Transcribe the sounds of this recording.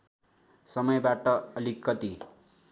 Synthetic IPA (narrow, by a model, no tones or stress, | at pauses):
sʌmʌjbaʈʌʌlikːʌt̪i